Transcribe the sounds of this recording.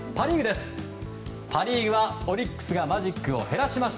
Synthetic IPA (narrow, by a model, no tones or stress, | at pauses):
paɾʲiɡɯ̟d̪e̞sɨ̥ | pʰaɾʲiːɯβao̞ɾʲikːɯ̥sɨɡamaʑikːɯ̟o̞̰he̞ɾaɕimaɕi̥t̪